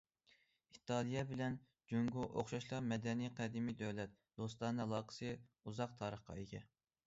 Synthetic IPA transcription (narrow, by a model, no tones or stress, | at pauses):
it̪ʰɑlˠijɛbɪlɛn | d͡ʒøŋɡuʔoχʃɑʃlˠɑɾmɛd̪ɛniqʰɛd̪ɪmid̪øwlɛt̪̚ | d̪̥ost̪ɑnɨɑlˠɑːqʰə̥sɨuzɑq̚t̪ʰɑːɾəχqɑ̰ekʲɛ